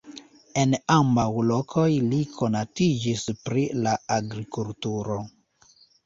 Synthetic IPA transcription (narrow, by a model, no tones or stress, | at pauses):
e̞nambawlo̞kʰo̞jlikʰo̞natid͡ʒispɾilaaɡɾikultuɾo̞